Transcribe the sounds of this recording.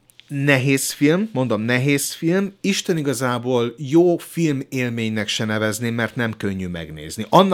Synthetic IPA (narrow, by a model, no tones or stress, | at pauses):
nɛɦeːsfilmːo̞nd̪o̞mnɛɦeːsfilmiʃt̪ɛniɡɒzaːboːljoːfilmeːlmeːɲnɛkʃɛnɛvɛznemɛrt̪nɛmkøɲːymɛ̰ɡnḛːzniʔɒnː